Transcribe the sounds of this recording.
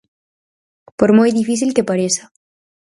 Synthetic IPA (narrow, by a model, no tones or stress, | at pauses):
poɾmojðifis̬ilkepaɾesḁ